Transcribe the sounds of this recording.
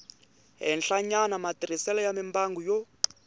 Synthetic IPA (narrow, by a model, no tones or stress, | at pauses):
ɦɛnɬaɲanamatiɾisɛlajamimbaŋɡujɔ